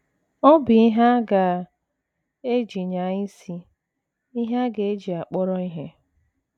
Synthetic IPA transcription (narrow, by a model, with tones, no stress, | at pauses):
ɔ˦bi˨i˦ɦa˦ɡa˨ | e˦d͡ʒi˨ɲa˨ɲi˦si˦ | i˦ɦa˦ɡe˨e˦d͡ʒi˨a˨k͡pɔ˦ɾɔ˦i˦ɦe˦